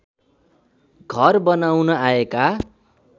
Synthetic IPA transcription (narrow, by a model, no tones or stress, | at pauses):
ɡʱʌrbʌnawnʌaeka